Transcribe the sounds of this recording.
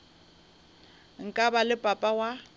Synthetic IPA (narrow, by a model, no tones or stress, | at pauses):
ŋ̩kʼabalɪpʼapʼawa